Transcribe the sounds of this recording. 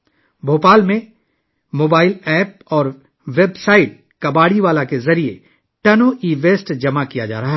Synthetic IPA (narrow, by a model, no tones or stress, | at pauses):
bʱoːpaːlmẽ | moːbaːɪlɛːp̚ɔːɾ | ʋeːbsaːɪʈ̚ | kɐbaːɽiʋaːlakezɐɾiḛ | ʈɐnoʔiːʋeːsʈd͡ʒɐmakijad͡ʒa̰ːɾɐɦa